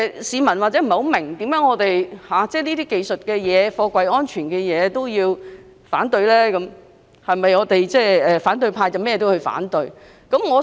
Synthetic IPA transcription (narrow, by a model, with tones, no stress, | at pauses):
ɛ˧siː˨˧mɐ˨˩nwaː˨t̚t͡sɛː˨˥m̩˨˩˨ho˨˥mɪ˨˩ŋt̪iː˨˥mjœː˨˥ŋɔː˨˧t̪e˨jhaː˨t͡sɛː˥˩niː˥iː˥ke˨jsɵ˨t̚kɛː˧jɛː˨˧fɔː˧kʷɐ˨˧jɔː˥nt͡ʃʰyː˨˩nkɛː˧jɛː˨˧t̪o˥wjiː˧w | fa̰ː˨˥nt̪ɵ˧ɥlɛː˥kɐ˨˥m | hɐ˨jmɐ˨jŋɔː˨˧t̪e˨jt͡sɛː˥˩ɛː˨˩faː˨˥nt̪̬ɵ˧ɥpʰaː˧jt͡sɐ˨˩wmɛː˥jɛː˧t̪whɵ˧ɥfa̰ː˨˥nt̪ɵ˧ɥ | kɐ˨˥mŋɔː˨˧